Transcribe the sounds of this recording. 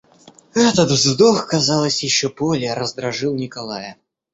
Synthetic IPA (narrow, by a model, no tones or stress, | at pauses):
ɛt̪ət̪vzd̪oxkɐzɑlˠəsʲjɪɕːopolʲɪɾəzd̪ɾɐʐɨlˠnʲɪkɐlˠajə